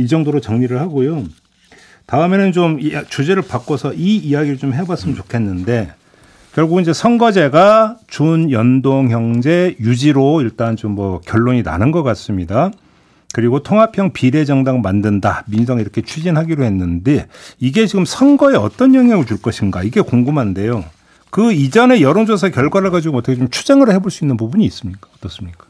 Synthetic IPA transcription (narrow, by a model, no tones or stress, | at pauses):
id͡ʑʌŋdoɾot͡ɕʌŋɲiɾɯɭhaɡojo | taɯme̞nɯnt͡ɕomt͡ɕud͡ʑe̞ɾɯɭpak͈osʰʌʔiijaɡiɾɯɭt͡ɕomɦe̞bas͈ɯmɯnt͡ɕokʰe̞nːɯnde̞ | kjʌɭɡuɡind͡ʑe̞sʰʌŋɡʌd͡ʑe̞ɡat͡ɕunjʌndoŋçjʌŋd͡ʑe̞jud͡ʑiɾoiɭt͈ant͡ɕomːʌkjʌɭːoɲina̰nɯnɡʌk͈as͈ɯmɲida | kɯɾiɡotʰoŋɦapʰjʌŋpiɾe̞d͡ʑʌŋdaŋmandɯndamins̬ʰʌŋiɾʌkʰe̞t͡ɕʰid͡ʑinɦaɡiɾohe̞nːɯnde̞iɡe̞t͡ɕiɡɯmsʰʌŋɡʌe̞ʌt͈ʌnjʌŋiaɡot͡ɕuɭk͈ʌɕʰinɡaiɡe̞koŋɡumɦande̞jo | kɯid͡ʑʌne̞jʌɾond͡ʑosʰakjʌɭɡwaɾɯɭkad͡ʑiɡoʌtʰʌkʰet͡ɕomt͡ɕʰu̥d͡ʑaŋɯɾɯɭɦe̞boɭs͈uinːɯnpubuɲiːs͈ɯmɲik͈ḁʌt͈ʌs͈ɯmɲik͈ḁ